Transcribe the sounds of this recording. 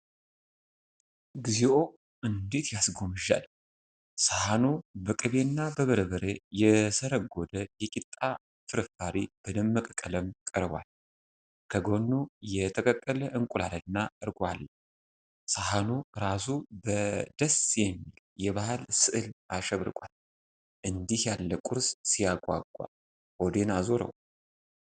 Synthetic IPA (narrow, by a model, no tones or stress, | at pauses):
ɡizeʔo̞ | ɨnd̪e̞t̪jasɡo̞mɨʒa̰l | sahanubəkʼɨβenːabəβəɾəβəɾejɛsəɾəɡo̞d̪əjɛkʼit̪ʼːa | fɨɾɨfaɾib̥ɨdəmːəkʼəkʼːələmkʼəɾβwa̰l | kʰəɡo̞nːujɛt̪ʰəkʼəkʼːələʔɨŋkʼulalənːaɨɾɡal | sahanuɾasubəd̪əsjɛmːil | jɛβahɨlsɨʔɨlʔaʃəβɾɨkʼal | ʔɨnd̪ihjalːəkʼuɾssijaɡʷwa̰ɡʷʼwa̰ | ʔod̪enazoɾə̰w